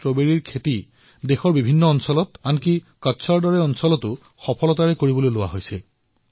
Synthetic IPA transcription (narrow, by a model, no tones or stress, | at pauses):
tɹobeɹiɹkʰeti | dexɔɹbibʱinːɔːnsɔlɔtanki | katːsʰaɹdɔɹɛɔnsɔlɔtʊ | xɔpʰɔlɔtaɹɛkoɹibɔlojlʊwa̰ɦojsɛ